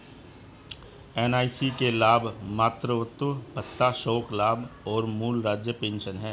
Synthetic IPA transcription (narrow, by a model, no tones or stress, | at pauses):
eːnaːisikelaːbʱmaːt̪ɾəʋət̪bət̪ːaʃɔːklaːbʱɔːɾmuːlɾaːd͡ʒjəpẽːnʃənɦɛ̃ː